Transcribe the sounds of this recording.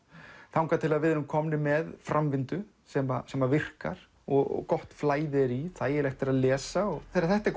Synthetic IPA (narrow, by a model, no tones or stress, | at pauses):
θawŋkat̪ʰɪlaðvɪðnʏmkʰɔmnɪmɛðfɾamvɪnt̪ʏ | sɛmasɛmavɪr̥ka̰ɾ̥ | ɔɣɔ̰ɣkɔht̪flaːjðɪɛɾiθajɛɾlɛxt̪ɛɾaðlɛːsaɔɣθɛɾaɾθɛht̪ɛɾ